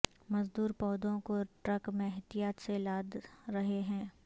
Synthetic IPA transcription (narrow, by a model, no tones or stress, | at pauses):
mɐzd̪uːɾpɔːd̪õkoʈɾɐkmẽɦɪt̪ijaːt̪selaːd̪ɾɐɦeɦɛ̃ː